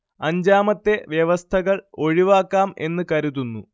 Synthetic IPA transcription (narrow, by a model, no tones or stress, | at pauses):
ɐɲd͡ʑaːmɐt̪ːe̞ʋjeʋɐst̪ʰɐɣɐɭo̞ɻiʋaːkːaːme̞nːɨkɐɾuðunːu